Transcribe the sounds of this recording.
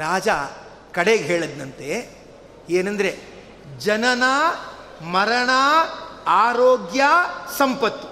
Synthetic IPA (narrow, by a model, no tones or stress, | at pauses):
ɾaːd͡ʒa | kɐɽeːɡɦeːɭɐd̪nɐnt̪e | eːnɐnd̪ɾe | d͡ʒɐnɐnɐ | mɐɾɐɳaːaːɾoːɡjasɐmpɐt̪ːi̥